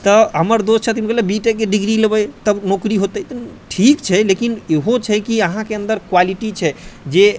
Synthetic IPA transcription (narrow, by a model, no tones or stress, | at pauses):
t̪ɔɦəməɾd̪ost͡ʃʰət̪imkelebiʈek̬eɖiɡɾiləbət̪əbnokɾiɦot̪ət̪əʈʰikt͡ʃʰɛlekineɦot͡ʃʰɛkiəɦãkeənd̪əɾkwaliʈit͡ʃʰɛd͡ʒe